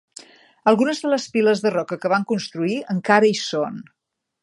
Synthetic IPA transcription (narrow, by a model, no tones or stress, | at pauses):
əlˠɣunəzðələspiləzðərɔkəkəβ̞aŋkunst̪ɾuiəŋkaɾəison